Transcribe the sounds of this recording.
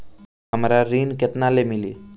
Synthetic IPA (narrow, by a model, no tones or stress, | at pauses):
ɦəmɾaɾinket̪nalemili